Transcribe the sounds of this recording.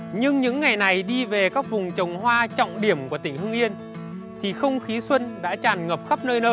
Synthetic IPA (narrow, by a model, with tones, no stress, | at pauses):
ɲɨ˧ŋɲɨ̰˧˥ŋːa˨˩jna˨˩jɗi˧ve˨˩kaː˦˥k̚vʊ˨˩ŋ͡mt͡ɕə˨˩wŋ͡mɦwaː˧t͡ɕɔ̰˧˨wŋ͡mɗi˧˩əmku˧˩ət̪ï˧˩ŋ̟hɨ˧ŋʔi˧ən | t̪ʰi˨˩xə˧wŋ͡mxi˨˦swə˧nɗa̰ː˧˥t͡ɕaː˨˩nŋəː˨˩p̚xə˦˥p̚nəː˧jnəː˧